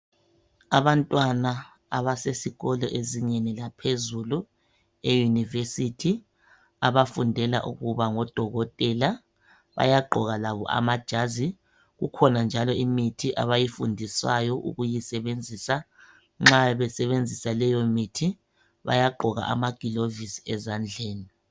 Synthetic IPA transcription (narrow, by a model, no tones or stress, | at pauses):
aβantʼwana | a̰βasesiɣɔlɔʔeziɲenilapʰezulu | ejunivesitʰi | a̰βafundʱɛla̰ʔuɣuβaŋɔd̥ʱɔɣɔtʼɛla | βa̰jaɡ͡ǃʱɔɣalaβɔ̰ʔa̰mad̥ʒ̥ʱazi | ɣukʰɔnand͡ʒʱalɔimitʰiʔa̰βajifundʱiswajɔʔṵɣujisɛβend͡zʱiːsa | ŋ͡ǁaβɛsɛβend͡zʱisalɛjomitʰi | βa̰jaɡ͡ǃʱɔɣa̰ʔamaɡ̥ʱilovisi̥ɛzand͡ɮʱeːni